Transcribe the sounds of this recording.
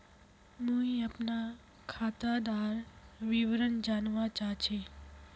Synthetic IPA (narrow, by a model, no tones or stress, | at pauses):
mũːiɐpna | kʰaːt̪ad̪aːɾʋiʋɾənd͡ʒaːnʋat͡ʃaːt͡ʃʰe